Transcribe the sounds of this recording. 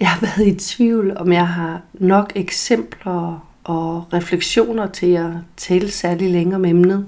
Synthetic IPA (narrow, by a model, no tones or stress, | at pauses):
jɑ̈ɪhɑ̈ʋæɐð̩ˠit͡sʰʋiʊ̰lɒ̽mjɑ̈ɪɦɑ̈nɒ̽ɡ̥eɡ̥sem̰b̥lɐ | ʔɒ̽ʁɛfleɡ̥ɕo̝̰ːnɐt͡sʰe̝læt͡sʰɛːləsæɐlileŋəɒ̽memnð̩ˠ